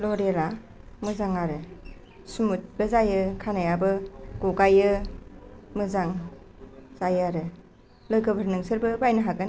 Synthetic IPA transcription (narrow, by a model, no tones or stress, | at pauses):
lɔɾela | mɯzaŋaɾɯ | sumut̚b̥ɯzajɯkʰanajabɯɡ̥ɔɡajɯ | mɯzaŋ | z̥ajaɾɯ | lɯjɡɯbɯɾnɯŋsɯɾbɯbajnɯɦaɡɯn